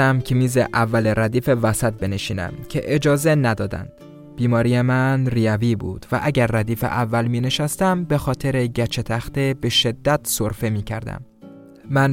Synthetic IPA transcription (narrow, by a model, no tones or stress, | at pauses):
æmcʰemiːzeʔævːæleɾæd̪iːfe̞væsæt̪̚be̞neʃiːnæ̰mcʲʰe̞ʔed͡ʒɒːzenæd̪ɒːd̪æ̰nd̪̥ | b̥iːmɒːɾijemænrijæviːbṵːd̪̥væ̰ʔæɟæɾːæd̪iːfḛʔævːælmiːne̞ʃæst̪æmbe̞xɒːt̪ʰe̞ɾeɟæt͡ʃʰet̪ʰæxt̪e̞be̞ʃe̞d̪ːæt̪soɾfe̞miːcʰæɾd̪æ̰m | mæn